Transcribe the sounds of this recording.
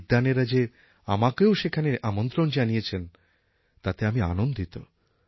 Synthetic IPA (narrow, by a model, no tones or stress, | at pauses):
d̪aneɾad͡ʑe | a̰makeoʃekʰaneɾamont̪ɾond͡ʑanijet͡ɕʰen | t̪at̪eamia̰nond̪it̪o